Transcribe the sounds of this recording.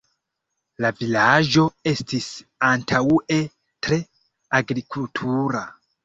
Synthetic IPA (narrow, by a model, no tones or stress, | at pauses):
lavilaʒo̞e̞stʰisantʰawe | tɾe̞ | aɡɾikʰultʰuɾa